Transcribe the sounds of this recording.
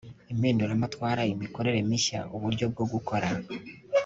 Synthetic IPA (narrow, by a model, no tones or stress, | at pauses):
emeːndolamatwaːɾajemiko̞ɾe̞ɾemiʃa̰oβuɾjo̞b̚ɡoɡuko̞ɾa